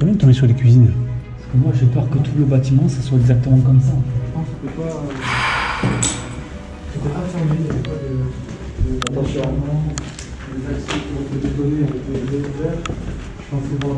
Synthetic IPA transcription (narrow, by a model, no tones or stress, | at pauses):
kɔ̃bjɛ̃d̪ət̪ɔ̃besyʁlekʲɥizinpasə̥kəmwaʒepœʁkət̪ʰuləbat̪imɑ̃saswaɛɡzak̚t̪əmɑ̃kɔmsaʒəpɑ̃set̪ɛpaø | set̪ɛpafɔmeet̪ɛpad̪ə | d̪əd̪t̪aʃɛʁmɑ̃ | d̪əzaksɛpuʁt̪əd̪ed̪ɔneavɛkədekuvɛʁ | ʒəpɑ̃sɛvwa